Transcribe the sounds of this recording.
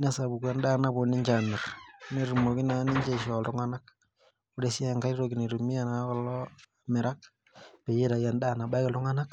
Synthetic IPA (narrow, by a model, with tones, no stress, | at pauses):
na˦sa˨bu˨kwa˨nda˦na˦bo˨ni˦ɲd͡ʒa˨nɛ˨rne˨ɾu˨mo˨ki˦na˨˦ni˦ɲd͡ʒe˦i˨ʃɔ˨ltʊ˦ŋa˦na˦k̚ | o˦de˨si˦a˨ŋɡa˦i˦ɾoki˨ne˨ɾu˨mi˦a˦na˨˦kɔ˨lɔ˦ame˨ɾa˦k̚ | pe˨je˦ɾa˨ja˨nda˦˨na˨ba˦i˦ka˨ltʊ˦ŋa˦na˦k